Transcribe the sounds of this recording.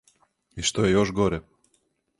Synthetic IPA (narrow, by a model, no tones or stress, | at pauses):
iʃt̪ojejoʒɡoɾɛ